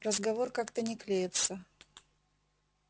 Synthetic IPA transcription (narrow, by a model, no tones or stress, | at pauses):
rəzɡɐvorkakt̪ənʲɪklʲejɪt̪sə